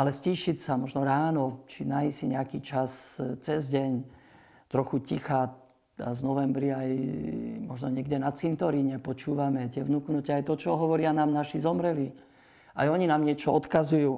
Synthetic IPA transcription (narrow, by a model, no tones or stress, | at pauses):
ʔalɛsciʃicsamɔʒnɔɾaːnɔt͡ʃinaisiɲɛakiːt͡ʃast͡sɛzɟɛɲ | t̪ɾɔxucixaː | a̰zvnɔʋɛmbɾiajmɔʒnɔɲɪɛɡɟɛnat͡sint̪ɔɾiɲɛpɔt͡ʃuːʋamɛt̪ɪɛʋnuknucɛajt̪ɔt͡ʃɔɦɔʋɔɾɪanaːmnaʃizɔmɾɛli | a̰jɔɲinaːmɲɪɛt͡ʃɔɔt̪kazujuː